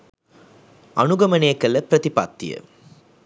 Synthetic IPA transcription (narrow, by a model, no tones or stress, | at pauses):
ɐɳʊɡɐmɐneːkːɐlɐpɾɐðɪpa̰ːt̪ːɪjɐ̰